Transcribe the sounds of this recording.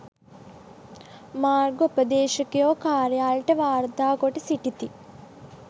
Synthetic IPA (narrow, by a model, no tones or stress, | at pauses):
maːrɡoupəd̪eːʃɐkejoːkaːɾjaːlʈəʋaːɾd̪aːɡoʈesiʈit̪i